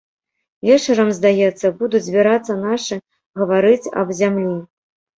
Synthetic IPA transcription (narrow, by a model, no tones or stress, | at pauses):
vʲɛt͡ʂɐɾɐmzd̪ajɛt̪sːɐbud̪ud͡zʲzʲbʲiɾat̪sːɐnaʂɨ | ɣɐvaɾɨt͡sʲɐ̰bzʲamlʲi